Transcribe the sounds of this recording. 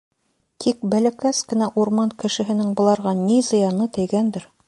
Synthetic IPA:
t̪ʰik̚bælækæskɘ̆næʔuɾmɑnkɘ̆ʃɘ̆ɦɘ̆nɘŋbŏlˠɑɾʁɑnizɤ̆jɑnɤt̪ɘ̆jɡænd̪ɘɾ

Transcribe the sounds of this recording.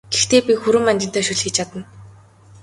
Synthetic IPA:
ɡ̥ext̪eːpʲixuɾɘ̆manʲt͡ɕɪ̆n̥t̪æːʃuɮxiːt͡ɕʰat̪ə̆n

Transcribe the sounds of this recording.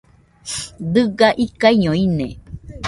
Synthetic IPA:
d̪ɨɡaʔikaiɲõinḛ̃

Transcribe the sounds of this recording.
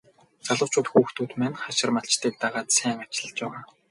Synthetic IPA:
t͡saɮə̆wt͡ɕʰʊːt̪xuːxt̪uːt̪mæːnχaʃɪ̆rmaɬt͡ɕt̪iːk̚t̪aʁaːt̪sæːŋat͡ɕɪ̆ɮə̆t͡ɕpæːʁaː

